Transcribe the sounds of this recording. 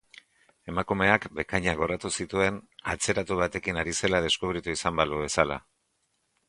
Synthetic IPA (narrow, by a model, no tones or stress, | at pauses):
e̞makume̞akbe̞kaɲaɣo̞ɾat̪usit̪ue̞na̰t͡se̞ɾat̪uβ̞at̪e̞kinaɾise̞lað̞e̞skuβ̞ɾit̪uisambaluβe̞sala̰